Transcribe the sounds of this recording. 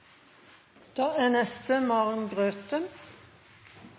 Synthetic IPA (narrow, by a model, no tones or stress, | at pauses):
d̪̥ɑːæːnɛst̪əmɑʁnɡʁøːt̪ə